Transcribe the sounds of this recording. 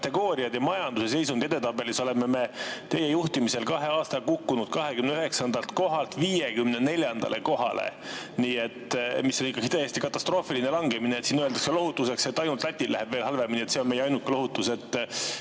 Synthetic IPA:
t̪ːe̞ɡo̞ːɾiɑd̪̥jɑmɑjɑnd̪use̞se̞js̬und̪̥ed̪et̪ɑbe̞liso̞le̞me̞me̞t̪e̞jejuht̪imise̞lkɑɦe̞ɑːst̪ɑkukːunud̪̥̚kɑɦe̞kymneyɦe̞ksɑnd̪̥ɑlt̪ko̞ɦɑlt̪viːjekymnene̞lʲjɑnd̪̥ɑ̰lʔe̞ko̞ɦɑ̰lḛ | niːe̞t̪misːonikːˑɑɡ̥i̥t̪ejest̪ikɑt̪ːˑɑst̪ro̞ːfiline̞lɑŋɡ̥emineet̪siːnøe̞ld̪ɑkselo̞ɦut̪ːˑuse̞kset̪ːˑɑjnult̪læt̪ʲːˑillæ̰heb̥ve̞ːlɦɑlveminiet̪se̞o̞nmejeɑjnukːˑelo̞ɦut̪ːˑuse̞t̪ːˑ

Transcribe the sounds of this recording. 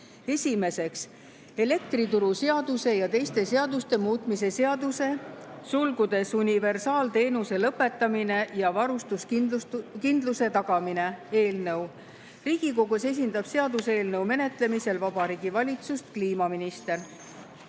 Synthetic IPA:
e̞sʲime̞se̞ks | e̞le̞k̚t̪rit̪uɾuse̞ɑd̪use̞jɑt̪e̞jst̪e̞se̞ɑd̪̥ust̪e̞muːt̪ˑmis̬e̞se̞ɑd̪use̞sulɡud̪e̞sunive̞rsɑːlt̪e̞ːnuse̞lɤpːe̞t̪ːɑmine̞jɑvɑɾust̪us | kind̪luse̞t̪ɑɡ̥ɑmine̞e̞ːlnɤw | riːɡ̥iko̞ɡuse̞s̬ʲind̪̥ɑb̥se̞ɑd̪use̞ːlnɤwme̞ne̞t̪le̞mise̞lvɑb̥ɑɾiːɡ̥ivɑlʲit̪sust̪kliːmɑminist̪e̞r

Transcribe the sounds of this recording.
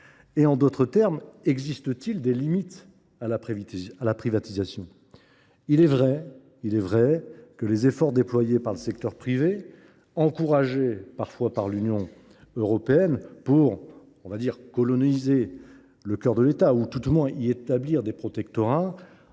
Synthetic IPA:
eɑ̃d̪ot̪χət̪ɛʁmɛɡzist̪ət̪ild̪elimit̪ | alapalapχivat̪izasjɔ̃ | ilɛvʁɛ | ilɛvʁɛkəlezefɔʁd̪eplwajepaʁləsɛkt̪œʁpχive | ɑ̃kuʁaʒepaʁfwapaʁlynjɔ̃ | øʁɔpeɛnpuʁ | ɔ̃vad̪iʁkɔlɔnize | ləkʲœʁd̪əlet̪aut̪ut̪mwɛ̃ʔiet̪abliʁd̪epχɔt̪ɛkt̪ɔʁa

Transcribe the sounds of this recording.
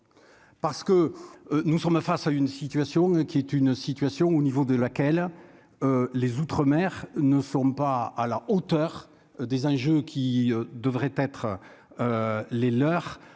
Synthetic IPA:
paʁsə̥kənusɔmfasaynsit̪ɥasjɔ̃kʲiɛt̪ynsit̪ɥasjɔ̃onivod̪əlakɛl | ølezut̪χəmɛʁnəsɔ̃paːlaot̪œʁ | d̪ezɑ̃ʒøkʲʰiød̪əvʁɛt̪ɛt̪χə | ølelœʁ

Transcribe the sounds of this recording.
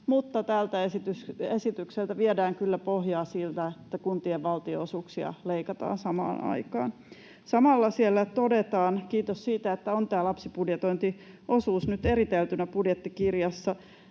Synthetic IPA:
mut̪ːɑt̪æːlt̪æesit̪ysesit̪ykselt̪æʋiedæːŋkylːæpoɦjɑːsilt̪æet̪ːækunt̪ieʋʋɑlt̪ioosuːksiɑ̰leikɑt̪ɑ̰ːnsɑmɑ̰ːnɑ̰ikɑ̰ːn | sɑmɑlːɑsielːæt̪odet̪ɑːnkiːt̪ossiːt̪æet̪ːæont̪æːlɑpsipudjet̪oint̪i | ʔosuːsnyt̪eɾit̪elt̪ynæpudjet̪ːikirjɑsːɑ

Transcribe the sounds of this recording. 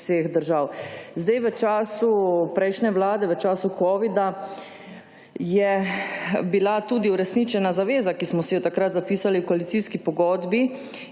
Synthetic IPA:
sexd̪əɾʒawzd̪ajʋət͡ʃaːsupɾɛjʃnɛʋlaːd̪ɛʋət͡ʃaːsukɔːʋid̪a | jɛ | bilat̪uːd̪iuɾɛsnit͡ʃɛnazaʋeːzakismɔsɛjɛt̪akɾat̪zapiːsaliwkɔalit̪siːskipɔɡɔːd̪bi

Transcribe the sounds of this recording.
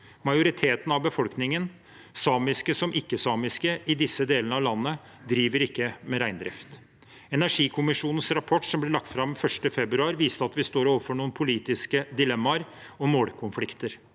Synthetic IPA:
mɑjʊɾɪt̪ʰeːt̪n̩ɑʋbəfɔlknɪŋən | sɑːmɪskəsɔmʔɪkːəsɑːmɪskəʔɪd̪ɪsːəd̪eːlənəɑʋlɑnːə | d̪ɾiːʋəɾɪkːəmɛɾæɪnd̪ɾɪ̰ft̪ | ɛnæʂiːkʰʊmɪʂuːnən̩sɾɑpʰɔʈːʂɔmblɪɭɑk̚t̪fɾɑmfœʂʈəfɛbɾʉɑːɾʋiːst̪əɑt̪ʋɪst̪oːɾoːʋəfɔɳuːənpʰʊliːt̪ɪskəd̪ɪlɛmːɑɾ | ɔmoːɽkʰʊnflɪkt̪əɾ

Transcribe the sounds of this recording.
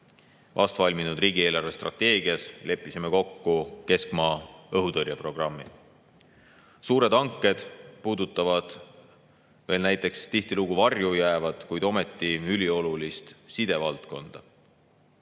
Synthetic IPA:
vʔɑ̰st̪vɑlʲminud̪riːɡieːlɑrve̞st̪rʔɑ̰t̪ːe̞ːɡ̥iɑsle̞pːˑisimeko̞kːuke̞skmɑːɤɦut̪ɤɾjɑpro̞ɡ̥rɑmːi | suːɾe̞d̪̥ɑŋkˑːe̞d̪̥puːd̪ut̪ːˑɑvɑd̪̥ | ve̞ːlnæjt̪ˑe̞kst̪iht̪iluɡ̥uvɑrjujæːvɑd̪̥kujd̪̥o̞me̞t̪ːˑiylʲio̞lulist̪sid̪̥e̞vɑlt̪ko̞nd̪̥ɑ

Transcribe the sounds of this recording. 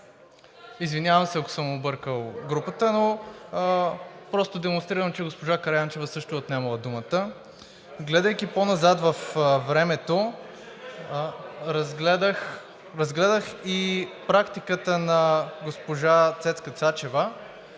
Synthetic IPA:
izvinʲjavəmsɛako̥səmobɤɾkəlˠɡɾupət̪əno | pɾɔst̪od̪ɛmonst̪ɾiɾəmt͡ʃɛɡospoʒakɐɾjant͡ʃɛvəsɤʃt̪ʊot̪nɛmɐlˠəd̪umət̪ə | ɡlɛd̪əjkʲiponɐzat̪vɐfvɾɛmɛt̪o | ɾɐɡɛd̪əx | ɾɐzɡlɛd̪əxipɾakt̪ikət̪ənɐɡospoʒat̪sɛt̪skət̪sat͡ʃɛvə

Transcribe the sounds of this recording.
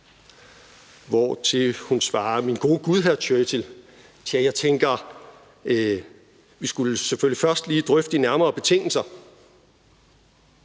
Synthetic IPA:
ʋɒt͡sʰe̝hunsʋɑ̈ːminɡ̥o̝ːəɡ̥uð̞ˠɦæɐt͡sʰøt͡sʰe̝l | t͡sʰiæjɑ̈ɪt͡sʰeŋɡ̥ɐ | ʋisɡ̥uləseføl̰lifɶɐsd̥liːd̥ʁœfd̥inæɐmɐːb̥e̝t͡sʰe̝ŋ̰l̩sɐ

